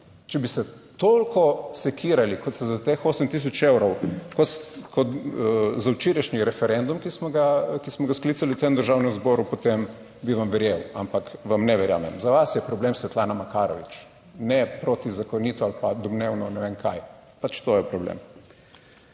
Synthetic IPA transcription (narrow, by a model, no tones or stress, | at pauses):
t͡ʃɛbisɛ | t̪olkɔsɛkʰiːɾalikɔt̪st̪ɛzat̪exoːsəmt̪is̬ɔt͡ʃewɾɔwkɔkʰɔt̪zawt͡ʃiːɾɛʃniɾɛfɛɾɛnd̪umkismɔɡakismɔɡasklit̪saliuwt̪emd̪əɾʒawnɛmzbɔːɾupɔt̪em | biʋamʋɛɾjewa̰mpakʋamnɛʋɛɾja̰ːmɛ̰mzaʋasjɛpɾɔblemsʋɛt̪laːnamakaːɾɔ̰ʋḭt͡ʃ | nɛpɾoːt̪izakɔniːt̪ɔalpad̪ɔbnewnɔnɛʋeŋkʰaj | pat͡ʃt̪ojɛpɾɔblḛm